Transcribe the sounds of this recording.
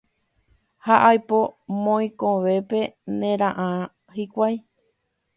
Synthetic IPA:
haʔajpo̞mõj̃kõʋe̞pe̞nẽɾãʔã | hikʷaj

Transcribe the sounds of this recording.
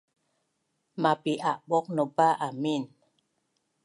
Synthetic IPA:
mapiʔaʔɓɔk̚nəbaʔamin

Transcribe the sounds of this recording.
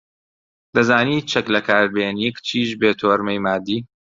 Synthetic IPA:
d̪ɐzaːniːt͡ʃʰɐklɐkʰaːɾbeːnikt͡ʃʰiːʃbeːt̪ʰoːɾmejmaːd̪ːiː

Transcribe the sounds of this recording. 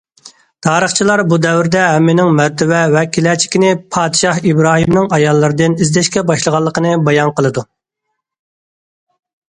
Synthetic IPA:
t̪ʰɑːɾəχt͡ʃʰilˠɑɾbud̪ɛwɾɪd̪ɛɦɛmːɪnɪŋmæɾt̪ʰɪvɛwɛkʲʰilɛt͡ʃʰi̥kʲinɪpʰɑːd̪ɨʃɑhibɾɑːɦimnɨŋɑjɑlˠːɨɾɨd̪ɨnizd̪ɛʃkʲɛbɑʃlˠəʁɑlˠːəqʰənɨbɑjɑnqəlˠɨd̪u

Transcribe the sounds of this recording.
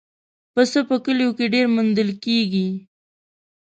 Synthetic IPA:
pəsəpəkəlijokeɖeɾmʊnd̪əlkeɡi

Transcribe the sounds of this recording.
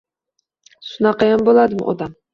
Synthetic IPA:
sʊnɑqɑjambolˠad̪ɪm̰ʔɒ̰d̪am

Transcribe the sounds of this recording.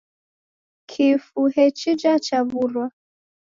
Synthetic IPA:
kʰifuhɛt͡ʃid͡ʒat͡ʃaβuɾwa

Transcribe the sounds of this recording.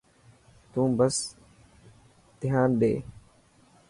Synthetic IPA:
t̪ũːbəs | t̪ɪɦaːnɗḛː

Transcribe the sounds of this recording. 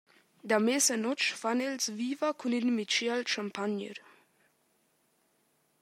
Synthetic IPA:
d̪amesanɔt͡ʃfanelsviːvakʰuninmit͡ʃalʃampaɲə̰ɾ

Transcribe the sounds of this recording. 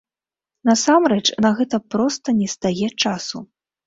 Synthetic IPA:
nɐsamɾɛt͡ʂnɐɣɛt̪ɐpɾɔst̪ɐnʲɛst̪ajɛt͡ʂasu

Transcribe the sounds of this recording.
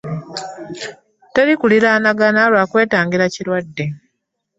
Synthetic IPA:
teɾikuliɾaːnaɡanaːlwaːkwe̞ːtaːŋɡiɾacilwadːe̞

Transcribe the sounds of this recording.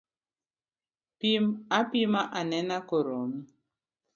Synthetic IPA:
pimapimaʔanɛnakoɾomi

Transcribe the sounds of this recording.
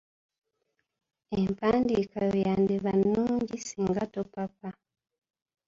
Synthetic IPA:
empaːndiːkajojandiβanːuːɲɟisiːŋɡatopapa

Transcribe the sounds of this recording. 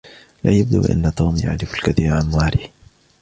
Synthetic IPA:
laːjab̚d̪ṵːʔa̰nːat̪uːmja̰ʕɾɪfalkaθiːɾʕanwaːɾɪh

